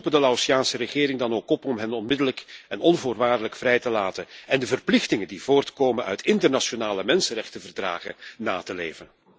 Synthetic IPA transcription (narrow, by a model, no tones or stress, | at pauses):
upədəlausjaːnsərəχɪːɾɪŋdɑnoːkɔpɔmɦɛnɔnmɪdələkɛnɔnvʊːrʋaːrdələkfrɛjtəlaːtəɛndəvərplɪxtɪŋəndivoːrtkoːmənœ̰ɥtɪntərnaʃonaːləmɛnsənrɛxtəvərdra̰ːχə̰naːtəlḛːvən